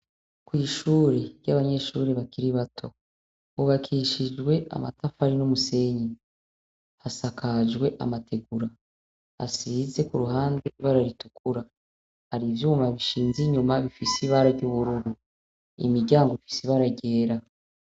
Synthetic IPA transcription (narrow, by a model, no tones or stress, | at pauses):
kwiːʃuːɾeɾɟaβaɲe̞ʃuɾeβakiɾiβatʰo̞ | βuβakʰiʃid͡ʒɡwe̞ʔa̰ma̰tafaɾinomuse̞ɲi | hasakʰaʒɡwe̞ʔa̰matʰe̞ɡuɾa | ha̰size̞kuɾuɦaːnde̞βaɾaɾitukuɾa | haɾivjuːmaβiʃiːnziɲumaβifisiβaɾaɟuβuɾuɾu | ḭmiɟaːŋɡoifi̥siβaɾaɟe̞ːɾa